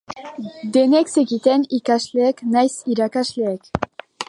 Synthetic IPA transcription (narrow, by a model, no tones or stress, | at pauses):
d̪enekseɣit̪enikazleːknajsiɾakaʃleek